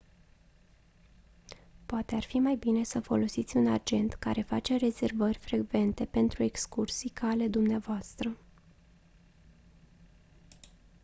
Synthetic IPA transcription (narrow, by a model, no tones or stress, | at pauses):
poat̪e̞arfimajbine̞səfo̞lo̞sit̪sʲunad͡ʒe̞nt̪ka̰ɾe̞fat͡ʃe̞re̞ze̞rvərʲfɾe̞ɡve̞nt̪e̞pe̞nt̪ɾue̞kskursikʰale̞d̪umneavoast̪ɾə